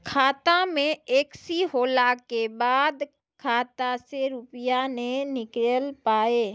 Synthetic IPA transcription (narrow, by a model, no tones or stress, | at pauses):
kʰaːt̪amẽeːksiɦoːlakebaːd̪ | kʰaːt̪aseɾʊpjanẽnɪkɾelpaːeː